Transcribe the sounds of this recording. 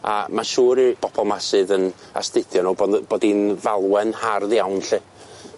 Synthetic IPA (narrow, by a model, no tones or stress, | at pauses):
a̰maʃuːɾib̥ɔb̥ɔlˠmasɨðən | a̰stɨθjɔnɔbb̥oːdinvalˠwɛnharðjawnɬɨ